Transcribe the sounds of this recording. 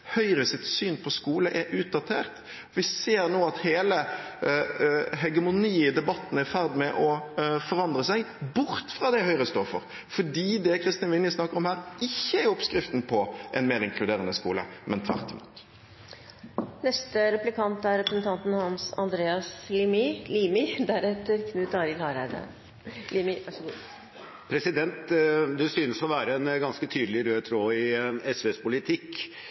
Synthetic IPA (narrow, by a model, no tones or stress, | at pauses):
hœʏɾəsɪt̪syːnpʰɔskuːləʔɛʔʉːt̪̚d̪ɑt̪ʰeːʁt̪ | ʋɪseːɾnoːɑt̪heːlə | ɦɛɡəmʊniːd̪ɛbɑt̪ːnæfæʁd̪mɛʔɔfɔʁɑnd̪ɾəsæɡbʊɾt̪fɾɑːd̪ɛhœʏɾəst̪oːfɔ̰ɾ | fɔɖiːd̪ɛkʰɾɪst̪ɪɑnʋɪnjəsnɑkːəɾɔmhæːɾɪçːəæɔpskɾɪft̪npʰɔʔɛ̰nmeːɾɪŋkʰlʉd̪eːɾənəskṵːlə̰mʔɛnt̪ʰʋæ̰ʁt̪ːmṵt̪ | nɛst̪əɾɛplɪkʰɑnt̪æɾɾɛpɾəsn̩t̪ʰɑnt̪n̩hɑnsɑ̰nd̪ɾeːɑslimɪliːmɪd̪æɾɛt̪ːəɾkʰnʉːt̪ɑɾɪlhɑːɾæɪd̪ə̰ | liːmɪʋɑʂɡu | pʰɾɛsɪd̪ɛnt̪d̪ɛsyːnəsɔʋæːɾəɛnɡɑnskət̪ʰyːd̪əlɪɾøːt̪ʰɾoːɪɛsʋeːspʊlɪt̪ʰɪk